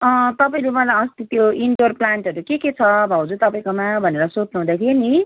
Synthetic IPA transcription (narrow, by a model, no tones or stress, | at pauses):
ʌt̪ʌpaĩlumʌlajʌst̪it̪joiɳɖorplaɳʈʌɾukeket͡sʰʌbʱawd͡zut̪ʌpaĩkomabʱʌneɾʌsot͡snuɦd̪akʰeeni